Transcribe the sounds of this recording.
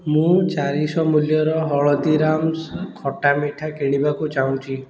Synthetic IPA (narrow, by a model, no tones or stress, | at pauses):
mũt͡ʃaɾisɔmuljɔɾɔɦɔɭɔt̪iɾamskʰɔʈamiʈʰakeɽ̃ibakut͡ʃaũt͡ʃʰi